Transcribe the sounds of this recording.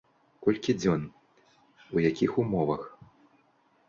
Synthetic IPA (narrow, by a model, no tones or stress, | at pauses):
kɔlʲkʲid͡zʲɔn | ujakʲixumɔvɐx